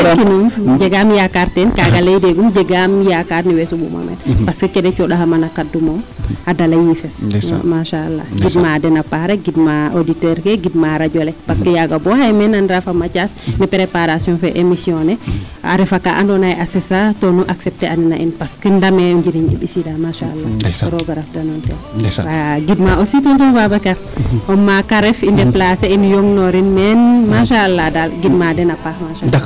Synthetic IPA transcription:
kinumd͡ʒɛɡamjakaɾtɛnkaɡalejdɛɡumd͡ʒɛɡamjakaɾniwɛsumṵma̰mɛ̰npaskəkɛdɛt͡ʃɔɗaɦamanakadːumɔmadalajifɛsmaʃaalːa̰ɡidmadɛnapaɾɛɡidmaoditɛɾkɛɡidmaɾaɟɔlɛpaskəjaɡabɔhajmɛnanɾafamat͡ʃasnipɾepaɾasijɔ̃nfɛʔemisjɔnɛ | a̰ɾefaka̰ʔa̰ndɔnajʔasesatonuʔaksɛp̚teʔaninaʔinpaskəndamɛuɲɟiɾiɲḭbisidamaʃaa̰lːaɾoɡaɾafdanontɛaɡidmaʔosituntunbabakaɾɔmːakaɾefindɛplaseinjoŋnɔɾinmɛnmaʃaalːadalɡid̚madɛnapahmaʃa

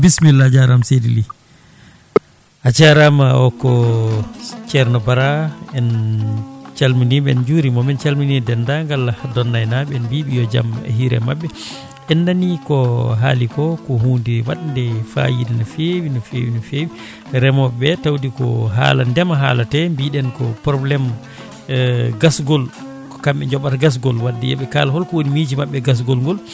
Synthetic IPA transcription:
bismilːad͡ʒaɾamsedili | ad͡ʒaɾamaɔkɔ | t͡ʃɛɾnɔbaɾaɛn | t͡ʃalminiɓɛnd͡ʒuɾimɔmɛnt͡ʃalminidɛndaŋɡalːadɔnːajnaɓɛɛnbiɓijɔd͡ʒa̰mɛ̰ɦiɾɛ̰maɓːɛ | ʔɛnːanikɔɦa̰likɔkɔɦuːndiwa̰ɗndɛfa̰jidinɔfewinɔfḛwinɔfewi | ɾɛmɔbɛtawdikɔ̰ɦa̰landɛmaɦalatɛmbiɗɛnkɔ̰pɾɔblɛm | ɡasɡɔl | kɔ̥kamɓɛɲd͡ʒɔɓataɡas̬ɡɔlwadːḭjɛ̰ɓɛkalahɔlkɔwonimiːd͡ʒimaɓːɛɡas̬ɡɔlŋɡɔl

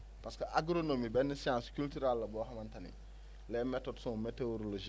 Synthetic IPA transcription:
paskɐʔaɡɾonomibɛnːisijãnskultyɾalːɐbɔːɦɐmantɐnḭ | lɛmɛtodsõmeteoɾoloʒi

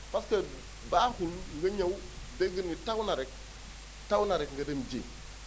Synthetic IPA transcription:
paska | baːhulŋɡɐɲaw | deɡənitawnaɾɛk̚ | tawnaɾɛkŋɡɐdemd͡ʒḛː

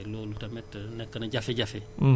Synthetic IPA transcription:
loːlutɐmɛtːənɛkːɐnɐɟafeɟafe

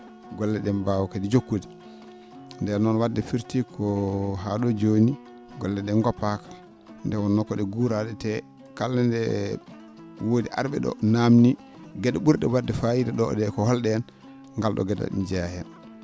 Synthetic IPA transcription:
ɡɔlːɛɗɛmbawkadid͡ʒokːudi | ndɛnɔnwadːɛfiɾtikʰɔɦaɗɔd͡ʒoni | ɡɔlːɛɗɛnɡɔpːakḁ | ndɛwɔnːɔkːɔɗɛɡuɾaɗɛtɛ | kalːandɛ | wodiʔa̰ɾɓɛɗɔ̰namni | ɡɛɗaɓuɾɗɛwadːɛfajidɛɗɔ̰ɗɛkɔhɔlɗɛan | ŋɡalɗɔ̰ɡɛda̰ɗɛ̰nd͡ʒɛajan

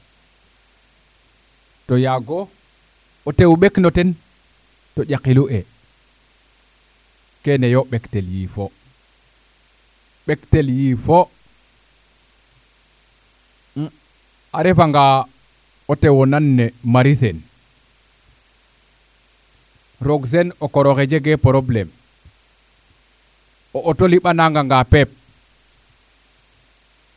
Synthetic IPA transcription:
tojaɡoː | tewɓeknoten | toʄakiluʔe | kenejoɓekteljḭfo | ɓekteljifo | aɾɛfaŋɡa | ɔtɛwɔnanːɛmaɾisɛn | ɾoɡs̬ɛnɔkɔɾɔkɛd͡ʒɛɡɛpɔɾɔblɛm | ɔʔːtoliɓanaŋɡaŋɡapɛp̚

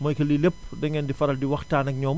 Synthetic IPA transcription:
mɔjkɐlilep̚dɐŋɛndifɐɾɐldiwɐxtaːnɐk̚ɲɔːm

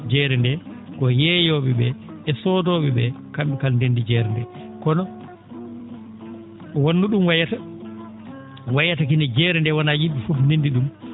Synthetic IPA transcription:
d͡ʒɛːɾɛndɛkɔjɛjoɓiɓɛɛsɔdɔɓiɓɛkamikalndendid͡ʒɛɾɛndɛkɔnɔ | wanːuɗumwajata | wajatak̬inɛd͡ʒɛːɾɛndɛwanajiɓːifufndendiɗum

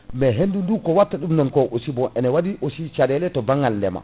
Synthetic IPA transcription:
mɛɦendundukɔwatːaɗumnɔnkɔʔosibɔʔɛnɛwadiʔosit͡ʃadɛlɛtɔbaŋːɡalndɛ̰ma̰

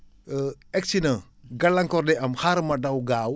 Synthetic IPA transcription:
ɛk̚t͡ʃinɐ | ɡɐlːɐŋkɔɾdɛʔɐmxaɾmɐdɐwɡaːw

